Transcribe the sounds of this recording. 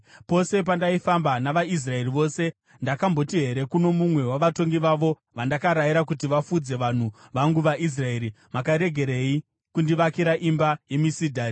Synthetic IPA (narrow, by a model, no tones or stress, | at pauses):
po̞se̞p̬andaifambanaʋais̬rae̞riʋo̞se̞ | ndakambo̞tiɦe̞ɾe̞kuno̞mumwe̞waʋato̞ŋɡiʋaʋo | ʋandakaɾajiɾak̬utiʋafud͡ze̞ʋan̤uʋaŋɡuʋaʔis̬rae̞ːɾi | makaɾe̞ɡʱe̞ɾei | kundiʋakiɾaʔimbaje̞misidʱaːi